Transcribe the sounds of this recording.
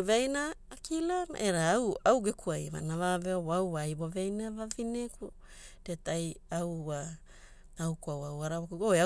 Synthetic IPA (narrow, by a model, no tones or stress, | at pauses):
veajnaːkilama̰ʔeɾaːwawɡekuajma̰navaveoboawajboveajnavavineku | d̥etajawa | tawkuawawaɾawakuɡoea